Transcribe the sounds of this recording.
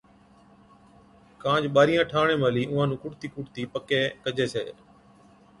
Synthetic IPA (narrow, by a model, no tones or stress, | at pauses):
kãːd͡ʒɓaːɾɪjãːʈʰaːɳeːməːliːʔʊ̃ːãːnũːkʊʈt̪iːkʊʈt̪iːpəkeːkəd͡ʒeːsḛː